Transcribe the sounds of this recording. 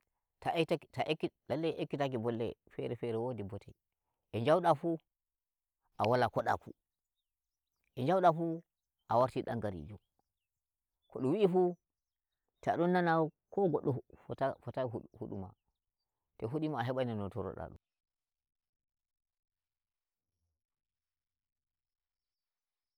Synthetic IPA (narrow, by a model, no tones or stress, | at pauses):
tatatakːidalːɛʔekːitakibɔlːɛ̰fɛ̰ɾɛfɛɾɛwodibɔtɛ | ʔɛɲd͡ʒawɗafu | ʔawalakɔɗa̰fṵ | ʔɛɲd͡ʒawɗafu | ʔawaɾtiɗa̰ŋɡaɾḭd͡ʒu | kɔɗɔwiʔifu | tɛa̰ɗɔnːanakɔɡɔɗːɔtfɔtahṵɗṵma̰ | tɛɦuɗimaɦɛɓajnanɔtɔɾɔ̰ɗa̰ɗṵn